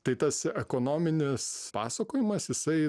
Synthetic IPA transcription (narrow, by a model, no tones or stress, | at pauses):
t̪ɐɪt̪ɐsɛkoːnoːmʲɪnʲɪspɑ̰ːsɐkoːjɪmɐsjɪsɐɪ